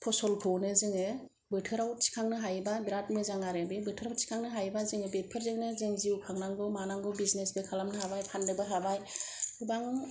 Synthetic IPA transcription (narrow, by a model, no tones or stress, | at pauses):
pʰɔsɔlpʰɔwnɯzɯŋɯ | bɯtʰɯɾaw̚si̥kʰaŋnɯɦajbabiɾat̚mɯzaŋaɾɯbebɯtʰɯɾawsi̥kʰaŋnɯɦajbazɯŋɯbet̚pʰɯɾzɯŋnɯzɯŋziukʰaŋnaŋɡɔmanaŋɡɔbiznesbɯkʰalamnɯɦabajpʰandɯbaɦabajubaŋ